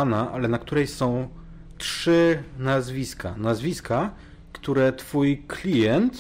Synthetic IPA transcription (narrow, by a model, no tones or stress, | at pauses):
anaʔalɛnakt̪uɾɛjsɔ̃w̃ | tʂɘnazvʲiska̰nazvʲiska | kt̪uɾɛt̪fujklʲijɛnt̪